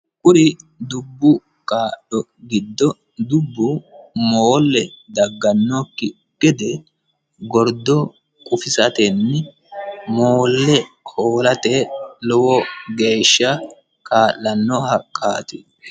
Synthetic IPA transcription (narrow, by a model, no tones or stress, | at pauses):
kʼʊɾɪd̪ʊbːʊ | kʼaːɗɔ | ɡɪd̪ːɔ | d̪ʊbːʊmoːlːɛd̪ɐɡːɐnːokːɪ | kːɛd̪ɛ | ɡɔɾd̪ɔ | kʼʊfɪsɐt̪ɛnːɪ | moːlːɛhoːlɐt̪ɛlɔwɔɡe̞ːʃːɐ | kʰʼaːʔːɐnːɔhɐkʼaːt̪ɪ